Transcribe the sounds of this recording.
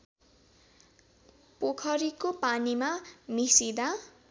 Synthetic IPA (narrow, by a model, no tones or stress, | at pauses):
pokʰʌɾikopanimamisid̪a